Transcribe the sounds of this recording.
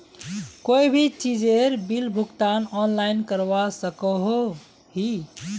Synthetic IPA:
koibʱit͡ʃid͡ʒeɾbilbʱuɡt̪anɔnlajinkəɾbasəkəɦo | ɦi

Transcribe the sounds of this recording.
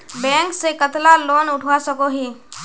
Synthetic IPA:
bɛ̃ːŋksekət̪laloːnʊʈʰwasəkoɦiː

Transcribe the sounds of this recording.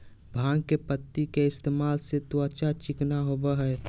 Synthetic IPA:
bʱãːŋɡkepət̪ːikeɪst̪eːmaːlset̪uaːt͡ʃat͡ʃɪknaɦobaɦɛː

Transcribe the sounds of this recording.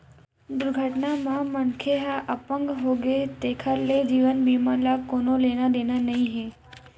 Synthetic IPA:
d̪ʊɾɡʱəʈnamãmənkʰeɦaʔəpəŋɡɦoɡet̪ekʰəɾled͡ʒiʋənbimalakonolenad̪enanəɦĩɦe

